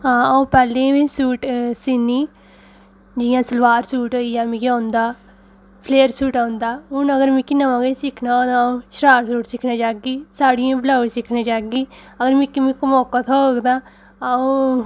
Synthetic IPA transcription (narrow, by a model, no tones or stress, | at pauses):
ɦãːaũːpɛːlẽbĩːsuːʈsɪnːiː | d͡ʒɪjãːsəlʋaːɾsuːʈɦoːiːãːmĩkãːnd̪aː | pʰleːəɾsuːʈaːnd̪aːɦʊnəɡəɾmĩkɪnãmãːɡesɪkʰnãd̪aũʃɾaːɾsuːʈsɪkʰnaːd͡ʒaːɡiːsaːɽijãːblaːisɪkʰnãːd͡ʒaːɡiː | əɡəɾmɪ̃kimĩkmɔːkaːt̪ʰaoːɡd̪ãː | aõː